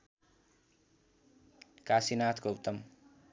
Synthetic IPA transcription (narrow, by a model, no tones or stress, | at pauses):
kasinat̪ʰkoup̚t̪ːʌm